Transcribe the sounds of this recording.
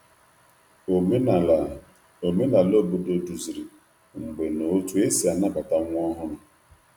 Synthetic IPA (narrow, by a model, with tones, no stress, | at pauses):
o˨me˦na˨lo˦˨bo˨˦do˦du˨zi˨ɾi˨ | ŋ͡m̩˨ɡ͡be˨no˨˦tu˦e˦si˨a˨na˦ba˨ta˦ŋʷ˦ɔ˦ɦʊ˦nʊ˨